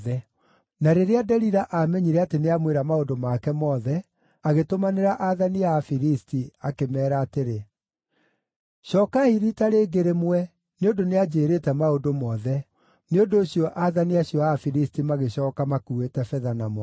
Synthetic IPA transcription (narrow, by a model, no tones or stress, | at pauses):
ðɛ | naɾeɾeadɛɾiɾaʔamɛɲiɾɛateneamweɾamaodomakɛmɔːðɛ | aɣetomaneɾaʔaðaniaːfiɾistiakemɛːɾaːteɾe | ɕɔːkahiɾitaɾeːɡeɾemwɛ | neondonead͡ʑeːɾetɛmaodomɔːðɛ | neondoːɕijɔʔaðaniaɕjɔafiɾistimaɣeɕɔːkamakuetɛfɛðanamɔ